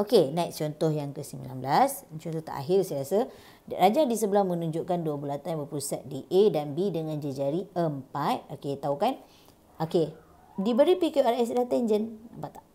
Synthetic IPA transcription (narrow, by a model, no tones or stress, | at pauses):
ʔokenãiʔ̚t͡ʃɔnt̪ɔhjaŋkəsəmḭla̰nblast͡ʃɔnt̪ɔht̪a̰ʔa̰ɦɪrsajɾasa | rad͡ʒadisəbəlahmə̃nũɲd͡ʒʊʔkanduəbulat̪ajbəpusat̪̚diʔedanbidəŋãnd͡ʒəd͡ʒaɾiəmpat̪̚oket̪aukan | oke | dibəɾipikuɛlɛs̬dat̪ɛnd͡ʒənapaʔt̪aʔ